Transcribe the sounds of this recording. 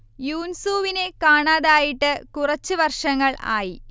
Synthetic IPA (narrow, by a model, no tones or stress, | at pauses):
juːnsuːʋine̞kaːɳaːðaːjiʈːɨkurɐt͡ɕːɨʋɐrʂɐŋːɐɭa̰ːji